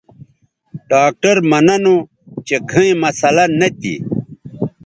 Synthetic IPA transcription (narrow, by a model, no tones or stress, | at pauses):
ɖaːk̚ʈɐɾmɐnɐno | t͡ɕeɡʱɐ̃ẽmɐsɐlɐnɐt̪ḭ